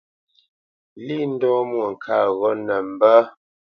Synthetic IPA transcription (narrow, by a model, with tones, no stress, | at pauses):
li˦n̩˦dɔ˦mwŋ̩˨kʰa̰˦˨ɣɔ˦nə˨m̩˨bə˦